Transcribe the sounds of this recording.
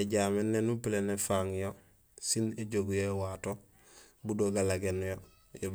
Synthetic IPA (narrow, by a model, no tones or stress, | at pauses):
eɟaːmenːenupilenefaŋjo | sineɟoɡjowaːto | budoɡalaɡenjo | jo